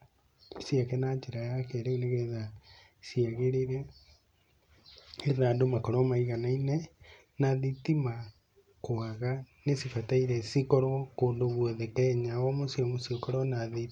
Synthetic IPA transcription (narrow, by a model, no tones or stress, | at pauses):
sjakɛnad͡ʒeɾajakeɾeuneɣeɾeða | siaɣeɾeɾɛ | eɾðaːdomakɔɾɔmaiɣanainɛ | naðitima | koaɣanesifataiɾɛsikɔɾɔkoːndoβwɔðekɛɲaɔmosiɔmosiokɔɾɔnaði